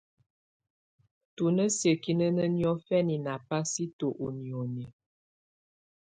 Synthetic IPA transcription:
tu˨nə˦sjə˨ki˦nə˦nə˦njɔ˦fɛ˦ni˨na˨pa˦si˦to˨ʔo˨njo˨ne˨

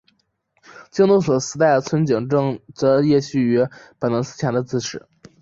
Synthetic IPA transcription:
t͡ɕi˥ŋnt̪u˥˩ŋswɔ˨˩sɹ̩˧˥t̪a˥˩ɪd̪ə˩t͡sʰwə˥nt͡ɕi˨˩ŋʈ͡ʂɤ˥˧ŋt͡sɤ˧˥jɛ˥˧ɕy˥˩y˧˥pə˨˩nə˧˥sɹ̩˥˩t͡ɕʰja˧˥nd̪ə˧t͡sɹ̩˥˩ʈ͡ʂʰɻ̩˨˩˦

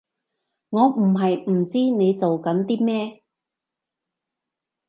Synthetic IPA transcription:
ŋɔː˨˧m̩˨˩ɦɐ˨jm̩˨˩t͡siː˥ne˨˧jt͡so˨wkɐ˨˥nt̪iː˥mɛː˥

